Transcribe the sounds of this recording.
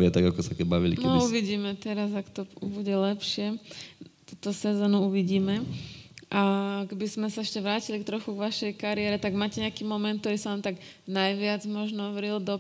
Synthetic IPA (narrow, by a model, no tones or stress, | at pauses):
ɪɛt̪aɡakɔsakɛbaʋilḭknɛɔuʋiɟiːmɛt̪ɛɾazakt̪ɔbuɟɛlɛpʃɪɛ | t̪ut̪ɔsɛzɔːnuuʋiɟiːmɛ | ʔakɛbizmɛsaɛʃcɛʋɾaːcilikt̪ɾɔxuɡʋaʃɛjkaɾɪɛːɾɛt̪aɡmaːcɛɲɛakiːmɔmɛnt̪t̪ɔɾiːsaʋamt̪aɡ | najʋɪad͡zmɔʒnɔʋɾild̪ɔ